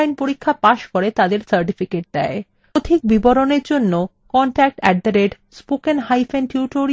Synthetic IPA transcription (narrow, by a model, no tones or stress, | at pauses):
jnpoɾikʰːapaʃkoɾet̪ad̪eɾsəɾʈifikeʈ̚d̪ɛe | d̪ʱik̚biboɾoneɾd͡ʑonːo | kɔɳʈɛk̚ʈɛɡ̚d̪aɾeɖ | spokenɦajfenʈjuʈoɾi